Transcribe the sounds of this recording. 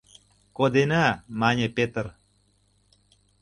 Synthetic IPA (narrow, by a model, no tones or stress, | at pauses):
kod̪enamaɲʲepet̪əɾ